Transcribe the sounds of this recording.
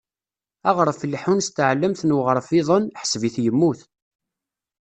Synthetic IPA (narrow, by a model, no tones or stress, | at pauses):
ɑʁɾˤəflħunst̪ʕlːəmθnwəʁəɾˤfɪðˤənħə̥sviθjəmːuθ